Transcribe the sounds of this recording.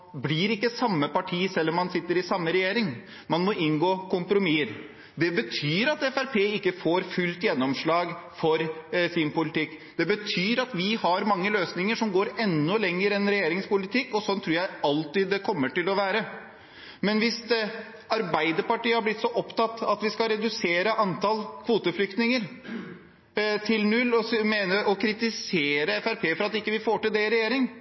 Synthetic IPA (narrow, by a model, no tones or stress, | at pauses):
blɪɾɪkːəsɑmːəpɑʈʰiːsɛlːɔmːɑnsɪt̪ːəɾɪsɑmːəɾɛjeːɾɪŋ | mɑnmɔʔɪnɡoːkʊmpɾʊmiːəɾ | d̪ɛbət̪ʰyːɾɑt̪ɛfæɾpʰeːɪkːəfoːɾfʉlt̪jɛnːɔmʂɭɑːɡfɔɾsɪnpʊlɪt̪ɪkːd̪̥ɛbət̪ʰyːɾɑt̪ʋɪhɑɾmɑŋːəløːsnɪŋəʂɔmɡoːɾɛnːɔlɛŋːəɾɛnɾɛjeːɾɪŋspʊlɪt̪ɪkːɔsɔnt̪ʰɾʉːɾjæɪɑlt̪ɪd̪ːɛkʰɔmːəʈɪlɔʋæːɾə | mɛnʋɪst̪ | ɑɾbæɪd̪əɾpɑʈiːəhɑɾblɪt̪sɔʔɔpt̪ɑt̪ːɑt̪ʋɪskɑɾɛd̪ʉseːɾəʔɑnt̪ɑlkʰʋuːt̪əflʏkt̪nɪŋəɾ | t̪ʰɪlnʉlːɔmeːnəɾʔɔkʰɾɪt̪ɪseːɾəɛfæɾpʰeːfɔɾɑt̪ɪkːəʋɪfoːʈɪld̪ɛɾɛjeːɾɪŋ